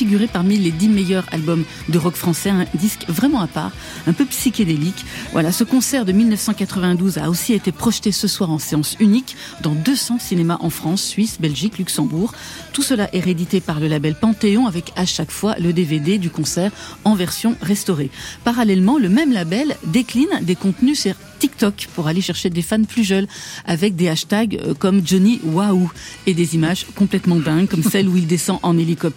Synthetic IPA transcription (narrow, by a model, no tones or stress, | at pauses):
fiɡʲyʁepaʁmiled̪imejœʁa̰lbɔm | d̪əʁɔkfχɑ̃sɛɛ̃d̪iskvʁɛmɑ̃apa̰ːʁ | ɛ̃pøpsikʲad̪elikvwʔa̰lasəkɔ̃sɛʁd̪əmilnəfsɑ̃kat̪χəvɛ̃d̪uza̰osiet̪epχɔʃt̪esəswaʁɑ̃seɑ̃synik | d̪ɑ̃d̪øsɑ̃sinemaʔɑ̃fχɑ̃sːɥisbɛlʒiklyksɑ̃buːʁ | t̪usəlaʔeʁed̪it̪epaʁləlabɛlpɑ̃t̪eɔ̃avɛkaʃakfwa̰ləd̪eved̪ed̪ykɔ̃sɛːʁɑ̃vɛʁsjɔ̃ʁɛst̪ɔʁepaʁalɛlmɑ̃ləmɛmlabɛld̪eklind̪ekɔ̃t̪nysyʁ | t̪ikt̪ɔkpuʁaleʃɛʁʃed̪efanplyʒœlavɛk̚d̪eaʃt̪aɡkɔmd͡ʒɔniwaued̪ezimaʒkɔ̃plɛt̪mɑ̃d̪ɛ̃ɡkɔmsɛluild̪esɑ̃ʔɑ̃nelikɔp̚t̪